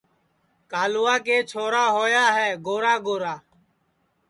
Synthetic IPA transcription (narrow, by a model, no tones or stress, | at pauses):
kaːlʊːaːkeːt͡ʃʰoːɾaːɦoːjaːɦɛːɡoːɾaːɡoːɾaː